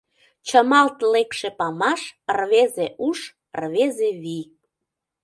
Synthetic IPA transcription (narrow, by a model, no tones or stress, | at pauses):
t͡ɕəmɑlt̪lekʃepɑmɑʃrβezeʔuʃ | rβezeβi